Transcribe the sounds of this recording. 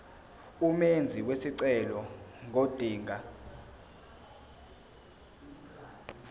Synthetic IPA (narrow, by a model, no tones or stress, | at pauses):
umend͡zʱiwesiǀɛlɔŋʱod̥ʱiːŋʱa